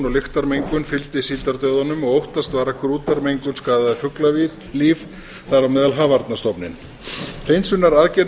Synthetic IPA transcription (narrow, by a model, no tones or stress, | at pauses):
nɔɣlɪxt̪aɾmejŋkʏnfɪlt̪ɪsiːlt̪aɾt̪œɥðanʏmɔɣowht̪ast̪vaːɾakʰɾuːt̪aɾmejŋkʏnskaːðaðafʏklavið | liːf | θaɾamɛːðalɦaːvaɾt̪nast̪ɔpnɪn | r̥ejnsʏnːaɾaðcɛɾ